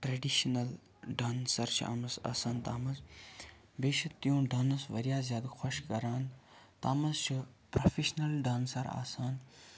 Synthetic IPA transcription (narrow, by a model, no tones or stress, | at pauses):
ʈɾeɖiʃnɐl | ɖaːnsɐɾt͡ʃʰḭʔa̰mɐsa̰ːsaːnt̪aːmɐz | beːʃɐt̪jõːɖaːnɐsʋɐɾijaːzjaːd̪xʰɐʃkɐɾaːn | t̪aːmɐzt͡ʃʰi | pɾɐfeʃnɐlɖaːnsɐɾa̰ːsaːn